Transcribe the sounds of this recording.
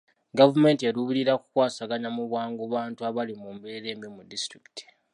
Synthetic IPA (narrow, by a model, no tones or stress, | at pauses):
ɡavume̞ːntieɾuβuɾiɾaku̥kwaːsaɡaɲamuβwaːŋɡuβaːntuaβalimumbeɾe̞ːmbimudistɾiki̥ti̥